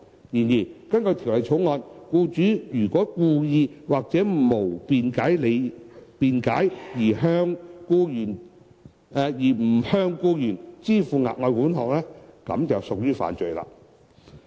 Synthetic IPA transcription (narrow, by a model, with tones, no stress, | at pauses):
jiː˨˩njiː˨˩kɐ˥nkɵ˧t̪ʰi˨˩wlɐ˨jt͡ʃʰʊ˨˥wŋɔː˧nkuː˧t͡ʃyː˨˥jyː˨˩kɔː˨˥kuː˧jiː˧waː˨k̚t͡sɛː˨˥˨mo˨˩wpiː˨˧nkaː˨˥jle˨˧jpiː˧nkaː˨˥jjiː˨˩ɦœː˧˥ŋkuː˧jyː˨˩nː˧ | jiː˨˩m̩˨˩hœː˧˥ŋkuː˧jyː˨˩nt͡siː˥fuː˨˧ŋa̰ː˨t̚ŋɔː˧jkuː˨˥nhɔː˨˩k̚lɛː˥kɐ̰˨˥mt͡sɐ˨wsʊ˨k̚jyː˥fa̰ː˨nt͡ʃɵ˨˧jla̰ː˧